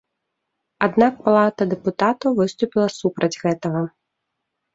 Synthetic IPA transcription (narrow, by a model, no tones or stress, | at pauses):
ad̪nak̚palˠat̪ɐd̪ɛput̪at̪ɐvɨst̪upʲilˠɐsupɾɐd͡zʲɣɛt̪ɐɣɐ